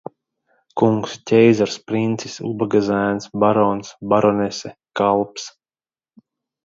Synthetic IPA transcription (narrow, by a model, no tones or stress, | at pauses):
kuŋkstʲɛjzaɾspɾint̪si̥sṵbaɡazæːnsbaɾɔnsbaɾɔnʲɛsɛkalˠps